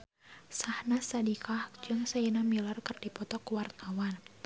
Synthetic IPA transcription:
sahnasadikʰahd͡ʒɨŋsainamilarkɨrdipɔt̪ɔkuwart̪̚awan

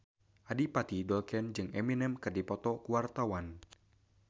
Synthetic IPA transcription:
ʔadipat̪idɔlkɛnd͡ʒɨŋɛminɛmkərdipɔt̪ɔkuwart̪awan

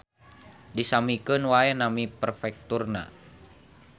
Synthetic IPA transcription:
disamikənwaɛnamipərfɛk̚t̪urna̰

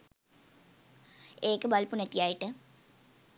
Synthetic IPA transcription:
eːkəbalpunɛt̪ijajiʈə

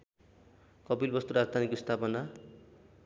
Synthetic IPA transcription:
kʌbilbʌst̪uɾad͡zd̪ʱanikost̪ʰapʌna

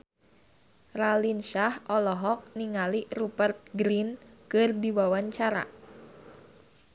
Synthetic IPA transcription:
ralinʃahɔlɔɦɔk̚niŋalirupərt̪̚ɡɾinkərdiwawaɲt͡ʃaɾa̰

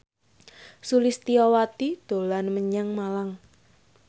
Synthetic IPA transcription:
sulɪst̪iɔwat̪id̪̥o̤lanməɲaŋmalaŋ

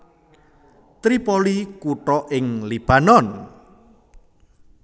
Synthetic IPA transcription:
t̪ɾipɔlikuʈɔʔɪŋlib̥a̤nɔn

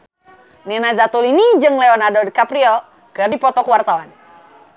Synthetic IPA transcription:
ninazat̪ulinid͡ʒɨŋleɔnadɔdkapɾiɔ | kɨrdipɔt̪ɔkuwart̪awan

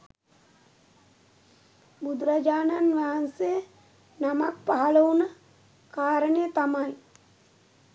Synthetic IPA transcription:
bud̪uɾad͡ʒaːnanʋaɦansejə | namak̚paɦaləunə | kaːɾənejət̪amaj

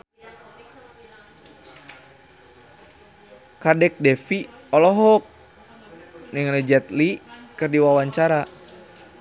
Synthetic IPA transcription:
kadɛk̚dɛfiɔlɔɦɔk̚ | niŋlɛd͡ʒɛt̪likɨrdiwawaɲt͡ʃaɾa

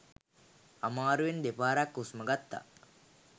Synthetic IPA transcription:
amaːɾuʋend̪epaːɾakːusməɡat̪ːa̰

